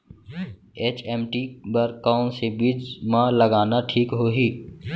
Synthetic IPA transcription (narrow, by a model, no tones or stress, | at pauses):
eːt͡ʃɛːmʈibəɾkaːʊnsebiːd͡ʒmãləɡaːnaʈʰiːkɦoːɦiː